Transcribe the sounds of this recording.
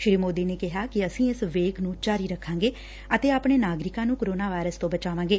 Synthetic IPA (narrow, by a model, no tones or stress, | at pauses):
ʃɪɾiːmoːd̪iːneːkɪɦaːkɪəsĩːɪsʋeːknũːt͡ʃaːɾiːɾəkʰːãːŋɡeː | ət̪eːaːpɳeːnaːɡɾɪkãːnũːkəɾoːnaːʋaːɪɾəst̪õːbət͡ʃaːʋãːŋɡeː